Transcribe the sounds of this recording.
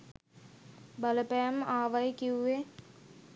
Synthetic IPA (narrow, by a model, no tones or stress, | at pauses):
bɐləpæmaːʋajkiwːe